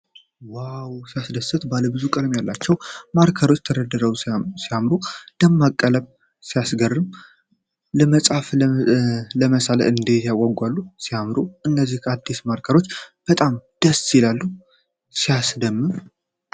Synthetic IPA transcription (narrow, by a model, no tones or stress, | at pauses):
wawsijasd̪əsɨt̪baləbɨzukʼɨd̪mjalːat͡ʃːɛwmaɾkʰəɾo̞t͡ʃːt̪ʰəɾəd̪ːɨɾəwsijamɾud̪̥əmːakʼːələβ | sijasɡərːɨm | ləməsʼaf | ləməsalə̰ʔɨnd̪et̪jawːaɡːualːusijamɾuʔɨnːəzːihkʰəad̪ːismaɾkʰəɾo̞t͡ʃːb̥ət̪ʼamd̪̥əsjɪlalːu | sijasd̪əmːɨm